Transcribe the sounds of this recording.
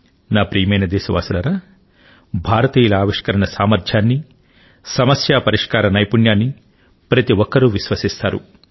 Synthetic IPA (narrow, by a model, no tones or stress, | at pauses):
naːpɾijɐmɐjnɐd̪ɛːʃɐʋa̰ːsɐlɐɾɐ | bʱaːɾɐt̪iːjɐlɐaːʋiʂkɐɾɐɳɐsaːmɐɾd͡ʒ̪ʰʱjaːnːi | sɐmɐsjaːpɐɾiʂkaːɾɐnɐjpunjaːnːi | pɾɐt̪iwɔkːɐɾuʋiʃʋɐsist̪aːɾṵ